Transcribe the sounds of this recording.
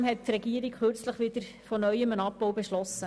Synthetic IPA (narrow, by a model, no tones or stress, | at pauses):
mɦɛt̚tɾɛɡiəɾikχøɾt͡sləχʋɪd̪əɾ | fɔnœʏəmənɑp̚ːoʊwbeʃlɔsə